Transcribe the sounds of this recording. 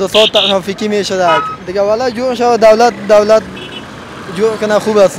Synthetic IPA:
d̪əsɔt̪ʰːaʃanfikʲimeʃad̪akʲd̪ɪɡʲawalad͡ʒoɾʃawad̪awlat̪̚d̪awlat̪̚ | d͡ʒoɾkʲʊnaχubas

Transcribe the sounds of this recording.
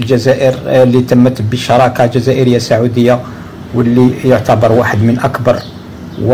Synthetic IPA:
ld͡ʒæzæʔəɾlit̪əmːət̪bəʃɑɾˤɑkad͡ʒæzæʔəɾəjːasaʕud̪əjːa | wəlːijʊʕt̪ɑbɑɾˤwaħəd̪mənʔækbɑɾˤ | w

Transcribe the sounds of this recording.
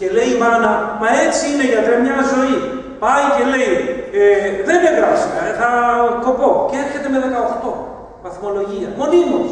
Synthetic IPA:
ce̞le̞ivɐnɐmɐe̞t͡siine̞ʝɐt̪ɾemɲɐzo̞i | pɐice̞le̞ieðene̞ðɾɐsikɐeθɐko̞po̞ceeɾçe̞t̪e̞meðe̞kɐo̞xt̪o̞ | vɐθmo̞lo̞ʝiɐmo̞nimut̪

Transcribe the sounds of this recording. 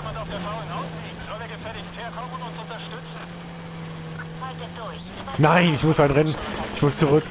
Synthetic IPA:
ʊʊntɐʃtt͡s | naɪnɪçmʊshanʁɛnənɪçmʊst͡suʁʏk

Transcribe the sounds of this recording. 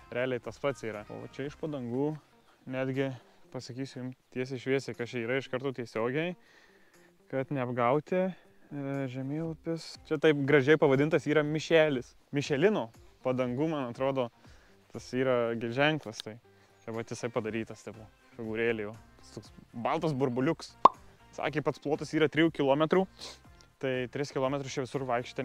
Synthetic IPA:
ɾʲæːlʲɛɪt̪ɐspɐt̪siːɾɐo̰ːt͡ʃʲɛɪʃpɐd̪ɐŋɡuː | nʲæːd̪ʲɡʲɪpɐsɐkʲiːsʲʊjɪmt̪ʲiɛs̬ʲɪʃʲʋʲiɛsʲtʲekɐt͡ʃʲiːɾɐɪʃkɐɾt̪oːt̪ʲiɛsʲoːɡʲɛɪ | kɐt̪nʲɛɐbɡɐʊt̪ʲɪ | ʒʲɛmʲeːlˠopʲɪst͡ʃʲɛt̪ɐɪp̚ɡɾɐʒʲɛɪpɐʋɐdʲɪnt̪ɐsiːɾɐmʲɪʃʲæːlʲɪs | mʲɪʃʲɛlʲɪnoː | pɐd̪ɐŋɡuːmɐnɐt̪ɾoːd̪oː | t̪ɐsiːɾɐɡʲɪlʲʒʲɛŋklˠɐst̪ɐɪ | t͡ʃʲɛʋɐt̪ʲjʲɪsɐɪpɐd̪ɐɾʲiːt̪ɐst̪ʲɐɪpo | fʲɪɡuːɾʲeːlʲɪjoːt̪ɐst̪oːksbɐlˠt̪ɐsbʊrbʊlʲʊks | sɑ̰ːkʲeːpɐt̪splˠoːt̪ɐsiːɾɐt̪ʲɾʲɪjuːkʲɪlˠoːmʲɛt̪ɾuːt̪ɐɪt̪ʲɾʲɪskʲɪlˠoːmʲɛt̪ɾʊst͡ʃʲɛʋʲɪsʊrʋɐɪkʃʲi̥t̪ʲɐ

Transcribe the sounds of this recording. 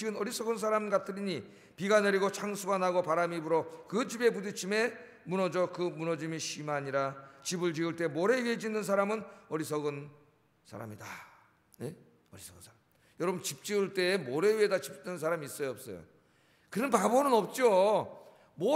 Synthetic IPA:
iɡɯnʌɾisʰʌɡɯns̬ʰaɾamɡat͈ʰɯɾiɲi | piɡaneɾiɡot͡ɕʰaŋsʰuɡanaɡopaɾamibuɾokɯd͡ʑibe̞pudut͡ɕʰime̞ | munʌd͡ʑʌkɯmunʌd͡ʑimiɕʰimaɲiɾat͡ɕibɯɭd͡ʑiɡɯɭt͈e̞moɾe̞ɥiɦed͡ʑinːɯns̬ʰaɾamɯnʌɾis̬ʰʌɡɯn | sʰa̰ɾa̰mida | e | ʌɾisʰʌɡɯn | jʌɾʌbɯnt͡ɕip̚t͡ɕ͈iɯɭt͈e̞ːmoɾe̞ɥiedat͡ɕip̚tɯns̬ʰaɾamiːs͈ʌjʌp̚s͈ʌ̰jo̰ | kɯɯnpabonɯnʌp̚t͡ɕ͈o | mo

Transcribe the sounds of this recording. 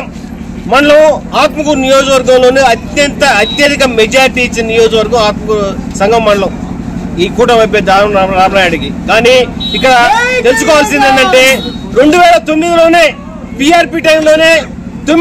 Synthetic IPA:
mɐɳlɐaːt̪mɐkuɾnijoːd͡ʒɐkʋɐɾɡɐmlo̞ːniɐt̪jɐnt̪ɐːt̪jɐd̪ikɐmɛd͡ʒaːɾiʈiːt͡ʃːinɐnijɔːd͡ʒɐkʋɐɾɡɐ̃waːt̪mɐkusɐŋɡɐmːɐɳlɐw | iːkuːʈɐmɐjp̬eːd̪aɾaːbɐnaːjuɽɐkikaːniikːɐɽɐt̪e̞lus̬ukɔːʋaːlsind̪ɐɳɖɐɳʈe̞ːɾeɳɖuʋɛːɭɐt̪omːid̪ilo̞ːne̞ː | piaːɾpiːʈɐjmlo̞ːne̞ː | t̪o

